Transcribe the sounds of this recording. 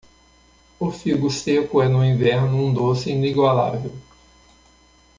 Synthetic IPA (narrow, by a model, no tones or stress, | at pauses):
ʊfiɡʊsekʊɛnʊĩvɛɾnʊũd̪osɪĩniɡwala̰vew